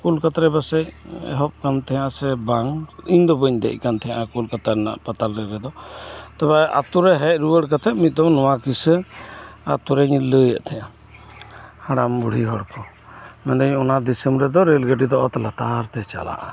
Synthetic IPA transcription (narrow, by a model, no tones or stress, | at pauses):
kulkat̪ɾɛbasɛc̚ɛ̰ɦɔp̚kant̪ʰɛjãsɛbaŋiɲd̪ɔbəɲd̪ɛ̰c̚ˀkant̪ʰɛjãʔakulkat̪aɾɛna̰ʔpat̪alɾɛɾɛd̪ɔt̪abɛa̰t̪uɾɛɦɛc̚ɾuwəɽkat̪ʰɛt̪̚mit̪̚ˀd̪ɔnɔwakisə | at̪uɾɛɲlːəjəʔt̪ʰɛja | haɽambuɽ̤iɦɔɽpʰɔ | mɛnd̪əɲɔnad̪isəmɾɛd̪ɔɾelɡəɖid̪ɔʔɔt̪lat̪aɾt̪ɛt͡ʃa̰la̰ʔa